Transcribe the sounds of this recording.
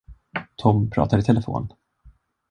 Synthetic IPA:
t̪ʰɔmpʰɾɑ̰ːt̪aɾɪt̪ʰɛlɛfo̰ːn

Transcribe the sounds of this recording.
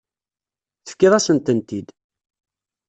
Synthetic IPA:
θə̥fkːɪðˤæsənt̪ənt̪id̪

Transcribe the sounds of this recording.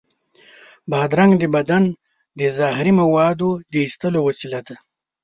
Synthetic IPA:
bɑːd̪ɾaŋɡd̪əbad̪an | d̪əzɑɦɪɾimawɑd̪od̪əist̪əlowasilad̪a

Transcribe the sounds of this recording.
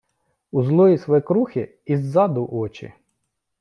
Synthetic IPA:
uzlˠɔjisʋɔɛkɾuxʲɪ | izːɑd̪ʊʔɔt͡ʃɪ̰

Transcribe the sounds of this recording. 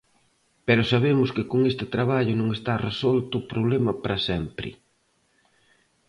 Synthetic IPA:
peɾʊsaβ̞emʊskɪkoŋest̪ɪt̪ɾaβ̞aʎʊnõŋest̪aresɔlt̪ʊːpɾoβlemɐpɾɐsɛmpɾɪ̰

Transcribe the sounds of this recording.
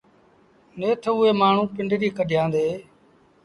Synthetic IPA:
neːt̪ʰəʊːeːmaːɳ̤ũːpɪɳɖɾiːkəɖʱjãːnd̪eː

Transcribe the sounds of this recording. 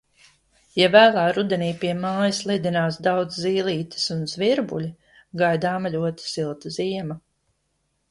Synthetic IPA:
javæːlˠaːɾud̪ɛniːpiɛmaːjɐslˠid̪ʲinaːsd̪awd̪zziːlˠiːt̪i̥sunzviɾbṵlʲi | ɡajd̪aːmalʲuɔt̪i̥silˠt̪ɐziɛmɐ

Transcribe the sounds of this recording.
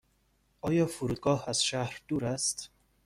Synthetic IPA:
ʔɒːjɒfuɾuːd̪̚ɡɒːhaz̥ʃahɾd̪uːɾast̪

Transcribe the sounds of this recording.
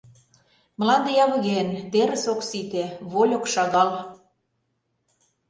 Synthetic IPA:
mə̆lɑnd̪ejɑβɤ̆ɣent̪eɾə̆soksit̪eβolʲokʃɑɣɑl

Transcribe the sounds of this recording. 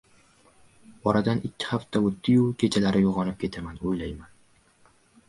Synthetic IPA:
ɒɾad̪anɪkʲʰːɪ̥haft̪ʰaɵt̪ːɪjukʲʰe̞t͡ʃʰalaɾɪjoʁɒnɪp̚kʲʰe̞t̪ʰamanojlajman

